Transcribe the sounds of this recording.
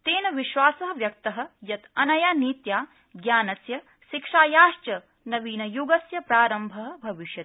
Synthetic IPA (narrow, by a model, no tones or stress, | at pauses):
t̪eːnɐʋiʃʋaːsɐɦɐ̆ʋjɐk̚t̪ɐɦɐ̆jɐt̪ɐnɐjaːniːt̪jaː | ɡjaːnɐsjɐ | ʃikʂaːjaːʃt͡ʃɐ | nɐʋiːnɐjuɡɐsjɐpɾaːɾɐmbʱɐɦɐ̆bʱɐʋiʃjɐt̪